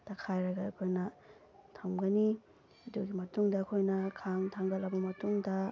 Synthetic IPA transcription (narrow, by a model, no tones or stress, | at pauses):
takʰajɾɐɡaɐkʰojnɐ | tʰɐmɡɐni | duɡimɐtuŋdɐːkʰojnɐkʰaŋtʰaŋɡɐlːɐbɐmɐtuŋdɐ